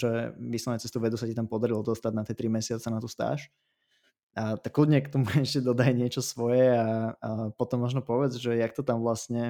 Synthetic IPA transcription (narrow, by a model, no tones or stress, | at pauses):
t͡ʃɔjɛʋislɔnɛt͡sɛst̪uʋɛd̪usacit̪ampɔd̪aɾilɔd̪ɔst̪adnat̪ɪɛt̪ɾimɛsɪat͡sɛnat̪ust̪a̰ːʃ | t̪akːlud̪ɲɛkt̪ɔmuɛʃcɛd̪ɔd̪ajɲɪɛt͡ʃɔsʋɔjɛapɔt̪ɔmːɔʒnɔpɔʋɛd͡zʒɛjakt̪ɔt̪amʋlastɲɛ